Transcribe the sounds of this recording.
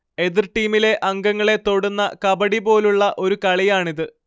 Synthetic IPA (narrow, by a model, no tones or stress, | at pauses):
e̞ðirʈːiːmile̞ʔɐŋɡɐŋːɐɭe̞t̪o̞ɽunːɐkɐbɐɽibo̞ːluɭːɐʔo̞ɾukɐɭijaːɳiðɨ